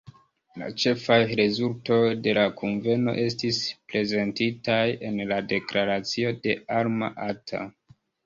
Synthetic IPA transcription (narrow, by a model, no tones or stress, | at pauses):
la̰t͡ʃe̞fajɾe̞zulto̞jde̞lakʰunve̞no̞̰ʔe̞stispɾe̞ze̞ntitaje̞nlade̞klaɾat͡sio̞de̞aɾma̰ʔatʰa̰